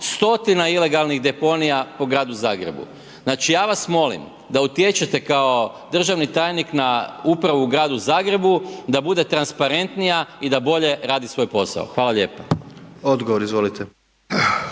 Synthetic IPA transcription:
st̪o̞t̪inaile̞ɡalˠniɣd̪e̞po̞nijapo̞ɡɾaːd̪uzaːɡɾe̞̰bṵ | znaːt͡ʃijaːʋasmo̞lḭm | d̪aut̪jet͡ʃet̪e̞kao̞ | d̪r̩ʒaʋnit̪aːjniknaupɾaʋuːɡɾaːd̪uzaːɡɾe̞bud̪abud̪e̞t̪ɾanspaɾe̞nt̪nijaid̪abo̞ʎe̞ɾaːd̪isʋo̞jpo̞sa̰o̰xʋaːlaʎe̞ːpaod̪ɡoʋoɾizʋolit̪e

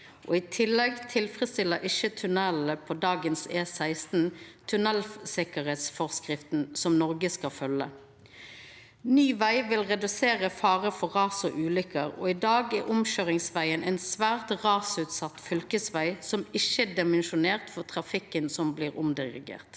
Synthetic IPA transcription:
ʔɔ̰ːit̪ʰɪlːɛɡt̪ʰɪlfʁəst̪ɪlːəɾɪʃət̪ʰʉnɛləpʰod̪ɑːɡənseːsæɪst̪n̩t̪ʰʉnɛlsɪkəɾeːt̪sfɔʁskʁɪft̪nsɔmnɔʁɡəskɑfœlːə | nyːʋæɪʋɪlʁɛd̪ʉseːʁəfɑːʁəfɔʁɑːsɔ̰ʔʉːlʏkəʁɔ̰ːɪd̪ɑːɡɛʔʊmʃøːʁɪŋsʋæɪənʔɛɪnsʋæːʁt̪ʁɑːsʉːt̪sɑt̪ːfʏlkəsʋæɪsɔmɪʃəd̪ɛmɛnʃʊneːʁt̪fɔʁt̪ʰʁɑfɪkːənsɔmbliːʁʊmd̪ɪʁɪ̰ɡḛːʁt̪

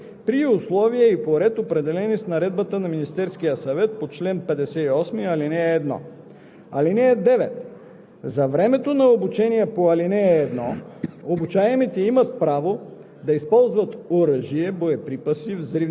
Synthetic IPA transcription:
pɾiʊslˠɔviɛipoɾɛt̪opɾɛd̪ɛlɛnisnɐɾɛd̪̚bət̪ənɐminist̪ɛɾskijəsɐvɛt̪̚pot͡ʃlɛnpɛd̪ɛsɛiɔsmiɐlinɛɛːd̪nɔ̰ | ɐlinɛɛd̪ɛvɛt̪ | zɐvɾɛmɛt̪onɐobut͡ʃɛniɛpoɐlinɛɛːd̪nɔobut͡ʃaɛmit̪ɛimɐt̪̚pɾavo | d̪ɐispɔlˠzvɐt̪oɾəʒiɛboɛpɾipəsivzɾi

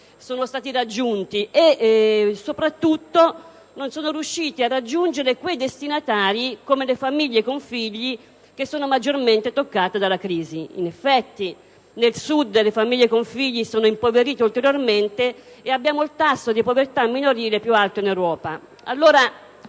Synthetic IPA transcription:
soːnost̪aːt̪irad͡ʒːunt̪ie | sopɾat̪ːut̪ːo | nonsoːnoɾjuʃːiːt̪iarːad͡ʒːund͡ʒeɾekwejd̪est̪inat̪aːɾikomelefamiʎːekoɱfiʎːi | k̟esːoːnomad͡ʒːorment̪et̪okːaːt̪ed̪alːakɾiːziḭnefːɛt̪ːi | nelsud̪lefamiʎːekoɱfiʎːisoːnoimpoveɾiːt̪eult̪eɾjorment̪e | eabːjaːmoilt̪asːod̪ipovert̪amːinoɾiːlepjualt̪oinewɾɔːpa | a̰lːoːɾa

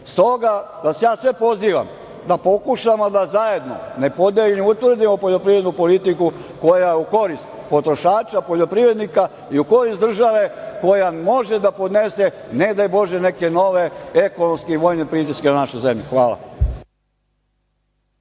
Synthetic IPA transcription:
st̪o̞ɡa | d̪asjaːsʋe̞po̞ziːʋa̰m | d̪apo̞kuʃamo̞d̪azaje̞d̪no̞̰ne̞po̞d̪eʎeniut̪ʋr̩d̪imo̞po̞ʎo̞pɾiʋɾenupo̞lit̪iku | ko̞jajeuko̞ɾist̪po̞t̪ɾo̞ʃaːt͡ʃapo̞ʎo̞pɾiʋɾed̪nika | iuko̞ɾist̪d̪r̩ʒaʋe̞ko̞jamo̞ʒed̪apo̞d̪ne̞se̞ne̞d̪ajbo̞ʒe̞ne̞ke̞no̞ʋe̞eko̞nomskeiʋojnepɾit̪iskenanaʃujze̞mʎuxʋaːlˠa̰

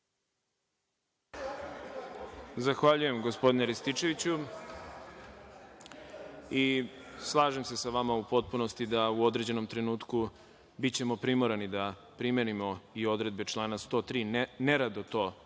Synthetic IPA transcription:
zaxʋaʎuje̞mɡo̞spo̞d̪ineɾest̪it͡ʃe̞ʋit͡ɕu | islˠaːʒe̞mse̞saʋamaupo̞t̪̚puno̞st̪id̪auo̞d̪ɾe̞d͡ʑe̞no̞mt̪ɾe̞nuːt̪ku | bit͡ɕe̞mo̞pɾimoɾanid̪a | pɾime̞nimo̞io̞d̪ɾe̞d̪̚be̞t͡ʃlˠaːnast̪o̞ːt̪ɾiːneɾad̪ot̪o̞ː

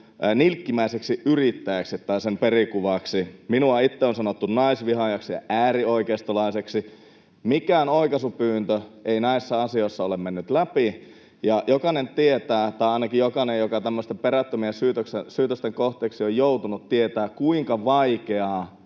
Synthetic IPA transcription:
nilkːimæˑiseksiʔyrit̪ːæjæksit̪ːɑisemperikuʋɑksiminuɑit̪ːeonsɑnot̪ːunnɑisʋiɦɑjɑksijɑ̰ʔæːrioikest̪olɑiseksi | mikæːnoikɑsupyːnt̪øʔeinæisːɑɑsioisːɑolemmenːyt̪læpi | jɑjʔokɑnent̪iet̪æːt̪ɑˑiɑinɑkijjokɑnejokɑt̪æmːøst̪emperæt̪ːømiesyːt̪øksesyːt̪øst̪eŋkoht̪ˑeːksiojjout̪unut̪tiet̪æːkkuiŋkɑʋɑikeɑː

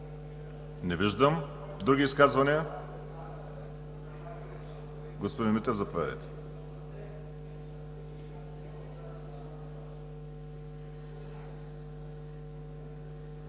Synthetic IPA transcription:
nɛviʒd̪əm | d̪ɾuɡiːskazvɐniə | ɡospod̪inmit̪ɛvzɐpovʲa̰d̪ə̰jt̪ɛ̥

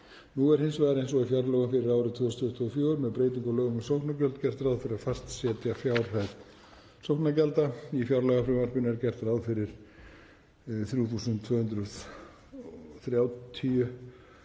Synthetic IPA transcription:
nuɛɾ̥hɪnsvajðaɾẽjns̬ɔɣifjawɾlœɣanfɪɾɪɾaːwɾʏðt̪ʰvʏːst̪ʰʏt̪ʰʏɣʏfjoːɾmɛðpɾeːjt̪iŋkɔlœːɣʏmʏsowhknacœlt̪cɛr̥t̪ɾawðfɪɾɪɾafar̥t̪sjɛːt̪jafjawɾ̥hajt̪ | sowknacɛlt̪aifjawɾlœɣafɾʏmaɾ̥pʏnɛɾcɛr̥t̪ɾawðfɪɾɪɾ̥ | θɾjuːθusʏnt̪t̪ʰvœːhʏnt̪d̪ɾʏ | θɾjawt̪ʰiʏ

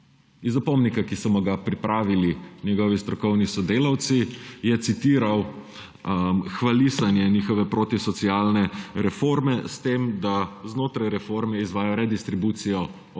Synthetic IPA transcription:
izːapɔmnikakisɔmɔɡapɾipɾaːʋilinʲjɛɡɔʋist̪ɾɔkɔwnisɔd̪eːlawt̪sijɛt̪sit̪iːɾaw | xʋalisanjɛniːxɔʋɛpɾoːt̪isɔt̪sialnɛɾɛfoːɾmɛst̪emd̪aznoːt̪ɾajɾɛfoːɾmɛizʋaːjɔɾɛd̪ist̪ɾibuːt̪sijɔ

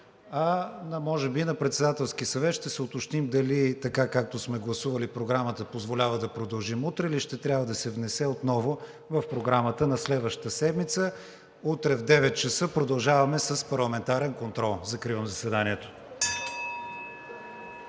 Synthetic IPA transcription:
ɐnɐmɔʒɛbinɐpɾɛt̪sɛd̪at̪ɛlˠsk̟iəsɐvɛt̪ʃt̪ɛsɛʊt̪ot͡ʃt̪imd̪ɐlit̪ɐkakak̚t̪osmɛɡlˠɐsuvəlipɾoɡɾamət̪əpozvolʲavəd̪ɐpɾod̪ɐlˠʒimut̪ɾɛliʃt̪ɛt̪ɾʲjabvəd̪ɐsɛvnɛsɛot̪nɔvʊ | vɐfpɾoɡɾamət̪ənɐslɛd̪vəʃtt̪əsɛd̪mit̪sə | ut̪ɾɛvd̪ɛvɛt̪̚t͡ʃɐsɤpɾod̪ɐlˠʒavɐmɛsəspɐɾlˠɐmɛnt̪aɾɛnkont̪ɾɔlˠzɐkɾivəmzɐsɛd̪aniɛt̪o̥

